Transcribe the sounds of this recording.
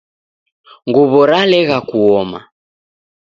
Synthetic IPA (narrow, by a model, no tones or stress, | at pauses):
ŋɡɔβɔɾalɛɣakuɔma̰